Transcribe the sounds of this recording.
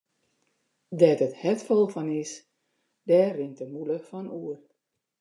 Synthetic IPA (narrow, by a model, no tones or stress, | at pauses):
dɛtəthɛtfɔlˠfɔnɪs | dɛːrɪŋtəmuləfɔnuər